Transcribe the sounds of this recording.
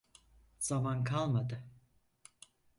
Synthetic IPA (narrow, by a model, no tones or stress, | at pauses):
z̥amankʰalˠmad̪ɯ